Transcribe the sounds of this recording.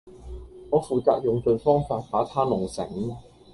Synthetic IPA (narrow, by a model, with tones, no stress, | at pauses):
ŋɔː˨˧fuː˨t͡sa̰ː˧k̚jʊ˨ŋt͡ʃɵ˧ɥfɔː˥ŋfaː˧t̚paː˨˥t̪ʰaː˥nʊ˨˩ŋsɪ̰˨˩ŋ